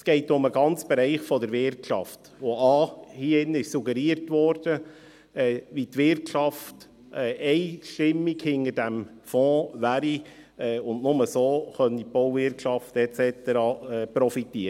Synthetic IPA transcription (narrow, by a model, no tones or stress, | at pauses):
sɡ̥ɛɪtʊməɡɑnt͡sb̥ɛɾɛɪχfɔdəɾʋɪɾtʃɑft | oɑːhiɪnəɪʃsuɡəɾiəɾtʋɔːɾd̥ə | ɛːʋitʋɪɾtʃɑft | ɛʔɛɪʃtɪmːiɡhɪnəd̥æm | fɔ̃ːʋæːɾiɛːʊndnʊməsoːχœnipowvɪɾkʃɑftɛt͡sɛt̪əɾɑːɛːpɾɔfitiːə